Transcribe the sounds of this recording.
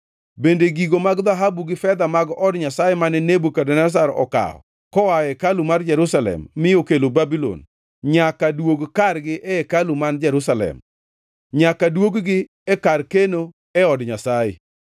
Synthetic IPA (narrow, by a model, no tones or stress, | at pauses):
bendeɡiɡomaɡd̪aɦabuɡɪfɛd̪amaɡɔdɲasajɛmanɛnebukadɛnas̬aɾɔ̰ka̰ɔ̰ | kɔwajɛkalumard͡ʒɛɾusalɛ̰mːɪjokelobabilo̰n | ɲakadwoɡkarɡɪʔɛɛkalumand͡ʒɛɾusalɛ̰m | ɲakadwoɡɡɪ | ɛkarkeno | ɛɔdɲasajɪ̰